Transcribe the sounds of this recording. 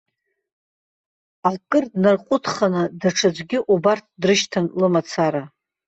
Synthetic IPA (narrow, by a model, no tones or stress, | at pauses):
alkʼɨrdnarqʼʊtʰχanɨdaʈ͡ʂʰad͡ʒʷɡʲɪʔubart̚ʰdrɨʃtʰanlɨmat͡sʰaɾa